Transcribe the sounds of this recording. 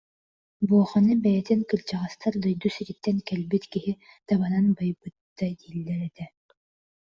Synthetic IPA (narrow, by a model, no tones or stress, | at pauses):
buɔχɔnɯbɛjɛt̪iŋkɯlʲt͡ɕaʁast̪ʰaɾd̪ɯjd̪usiɾit̪ːɛnkɛlbit̪kiɦi | t̪aβananbajbɯt̪ːad̪iːlːɛɾɛt̪ɛ